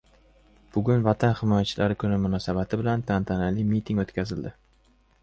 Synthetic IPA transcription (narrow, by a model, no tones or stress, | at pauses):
b̥ʊɡʲʊnvat̪ʰanhɪmɒjat͡ʃʰɪlaɾɪkʰʊnɪmʊnɒːsabat̪ʰɪbɪlant̪ʰant̪ʰanalimit̪ʰɪŋot̪kʲʰazɪld̪ɪ